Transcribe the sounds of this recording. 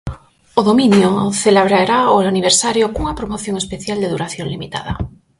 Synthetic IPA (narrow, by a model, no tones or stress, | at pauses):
oðominjoθeleβɾaɾaoaniβ̞eɾsaɾjokuŋɐapɾomoθjoŋespeθjald̪eðuɾaθjoŋlimit̪a̰ðɐ̰